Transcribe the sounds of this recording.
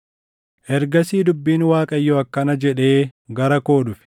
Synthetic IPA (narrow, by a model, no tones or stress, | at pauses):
ʔɛɾɡɐsiːd̪ʊbːiːnwaːkʼɐjːɔɐkːɐnɐd͡ʒɛᶑe̞ːɡɐɾɐko̞ːd̪ʊfɪ̥